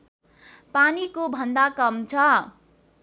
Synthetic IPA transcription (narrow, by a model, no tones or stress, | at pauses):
panikobʱʌnd̪akʌmt͡sʰʌ